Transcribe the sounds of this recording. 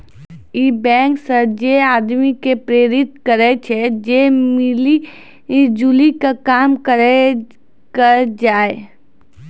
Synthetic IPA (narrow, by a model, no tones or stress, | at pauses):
iːbɛ̃ːŋksəɾd͡ʒeaːd̪mikepɾeːɾɪt̪kəɾet͡ʃʰed͡ʒeːmɪli | d͡ʒuːlikakaːmkəɾe | kəɾd͡ʒaːe